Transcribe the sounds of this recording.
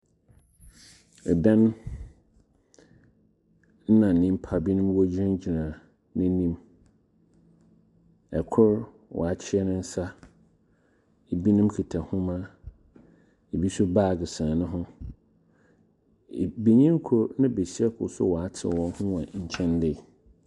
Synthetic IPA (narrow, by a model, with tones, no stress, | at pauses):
dã˦n | n̩˦nã˨nĩ˦m̩˦pʰa˨bi˦nʊ̃˦mwɔ˦d͡ʑɾã˦ɲ˦d͡ʑi˨nã˨ | nɪ̃˦nĩ˦m | ɛ˨kʰʊ˦ɾ | wʔɔ̰˨a˨t͡ɕʰɪ˦ɛ˦nʊ̃˦n̩˦sa˦ | e˨bi˦nʊ̃˦mkʰi˨tʰa˨hʊ̃˦mã˦ | e˨bi˦sʊ˦baː˦˨ɡɪ˨sã˨nʊ̃˦ɦʊ̃˦˨ | be˨ɲĩ˦ŋ˦kʰʊ˨nã˦be˨si˦ɛ˦kʰʊ̰˨sʊ̰˦wɔ˨a˦tʰɪ̰˨wɔ̃˦n˦hʊ̃˦wã˨ɲ̩˨t͡ɕʰɛ̃˦ndɪ˦˨